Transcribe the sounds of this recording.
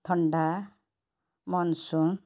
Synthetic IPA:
t̪ʰʌɳɖa | mʌnsu

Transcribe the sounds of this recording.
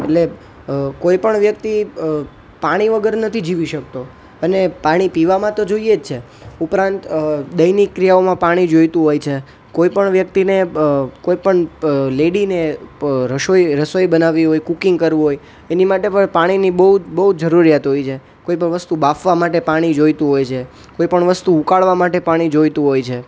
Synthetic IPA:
ḛʈle | koipəɳʋjək̚t̪i | paɽ̃iʋəɡəɾnət̪ʰid͡ʒiʋiʃək̚t̪o | ənepaɽ̃ipiʋamãt̪od͡ʒoijed͡ʒt͡ʃʰe | upɾãnt̪d̪əjnikːɾijaomãpaɽ̃id͡ʒojt̪ũɦojt͡ʃʰe | koipəɳʋjək̚t̪inekoipəɳleɽineɾəʃojɾəsojbənaʋiɦojkukiŋɡ̚kəɾʋũɦoj | enimaʈepəɳpaɽ̃inibəɦud͡ʒbəɦud͡ʒəɾuɾijat̪ɦojt͡ʃʰe | koipəɳʋəst̪ubafʋamaʈepaɽ̃id͡ʒojt̪ũɦojt͡ʃʰe | koipəɳʋəst̪uukaɭʋamaʈepaɽ̃id͡ʒojt̪ũɦojt͡ʃʰe

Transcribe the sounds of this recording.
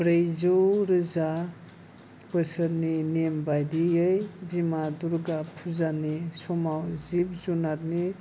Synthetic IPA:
bɾejzoɾɯza | bɯsəɾninembajdiɯjbimaduɾɡapʰuzanisɔmawzib̚zunaɾni

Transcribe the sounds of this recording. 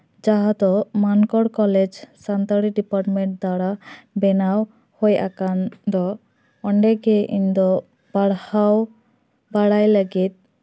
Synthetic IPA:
d͡ʒaɦat̪ɔmankɔɽkɔled͡ʒsant̪aɽiɖipaɾʈmeɳʈ̚d̪aɽabɛnaw | hoja̰kand̪ɔː | ɳɖeɡeʔind̪ɔ | baɽhaw | baɽajləɡit̪̚

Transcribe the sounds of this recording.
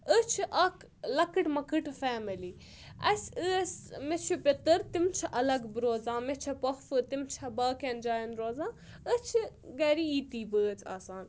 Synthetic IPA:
ət͡ʃʰiʔɐk | lɐkɨʈmɐkɨʈfɛːmɐliː | ɐsʲɨsmet͡ʃʰupʲɪt̪ɨɾt̪imt͡ʃʰɐʔɐlɐɡbɾoːzãːmet͡ʃʰɐpɐxfɨt̪imt͡ʃʰɐbaːkend͡ʒaːjɐnɾoːzãː | ət͡ʃʰiɡɐɾiiːt̪iːbəːt͡sʰa̰ːsaːn

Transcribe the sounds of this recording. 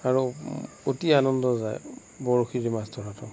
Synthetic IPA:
aɹu | otianɔndɔza̰j | bɔɹoxiɹimastʰɔɦatʰɔ̰

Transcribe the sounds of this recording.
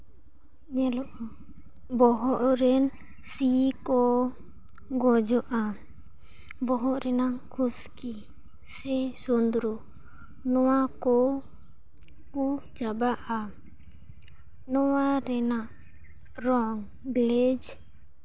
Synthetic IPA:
ɲɛlɔʔ | bɔɦɔʔɾɛn | sikɔ | ɡɔd͡ʒɔʔa | bɔɦɔʔɾɛnaŋkʰuski | sɛsɔnd̪ɾu | nɔwakɔ | kud͡ʒabaʔa | nɔwaɾɛnaʔ | ɾɔŋ | ɡlɛd͡ʒ

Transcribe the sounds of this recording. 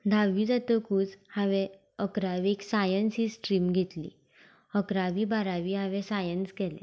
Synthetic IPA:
d̪ʱaʋiːd͡zat̪okuːt͡shaʋɛ | əkɾaʋieksajənsɦiːsʈɾiːmɡʱet̪lḭ | əkɾaʋiːbaɾaʋiːɦaʋɛsajənskɛlɛ̰̃

